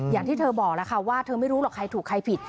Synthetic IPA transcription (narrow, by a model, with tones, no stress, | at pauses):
jaː˨˩ŋt̪ʰiː˥˩t̪ʰɤː˧bɔː˨˩k̚lɛ˦˥kʰa˥˩waː˥˩t̪ʰɤː˧ma˥˩jɾuː˦˥lɔː˨˩kʰːa˧jt̪ʰuː˨˩kʰːa˧jpʰi˨˩t̪̚